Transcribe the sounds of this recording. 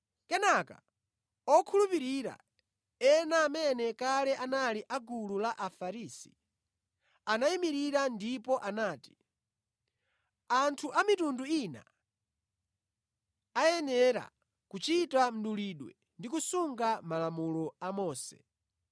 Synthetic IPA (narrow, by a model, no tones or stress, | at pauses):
kɛnaka̰ | ɔkʰulupiɾiɾa̰ | ɛnaːmɛnɛkalɛʔanaliʔaɡululaʔafaɾisi̥ | anaimiɾiɾandipɔʔanaːti̥ | antʰuʔamitunduina̰ | ajɛnɛɾa̰ | kut͡ʃitam̩ɗuliɗwɛ̰ | ndikusuŋɡamalamulɔamɔːsɛ̰